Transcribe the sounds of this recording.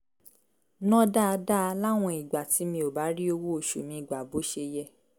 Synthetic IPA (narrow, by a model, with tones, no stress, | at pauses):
nɔ̃˦da˦˧da˦˧la˦˨w̃ɔ̃˧i˨ɡ͡ba˨ti˨˦mĩ˧o˨ba˨˦ɾi˦o˧wo˦o˧˨ʃṵ˨mĩ˧˦i˨ɡ͡ba˨bo˨˦ʃe˧jɛ˦˨